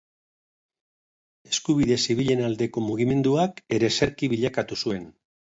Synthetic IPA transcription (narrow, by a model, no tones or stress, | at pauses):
e̞skuβ̞iðe̞siβiʎe̞nald̪e̞ko̞muɣ̞ime̞nd̪uake̞ɾe̞se̞ɾkiβiʎakat̪usue̞n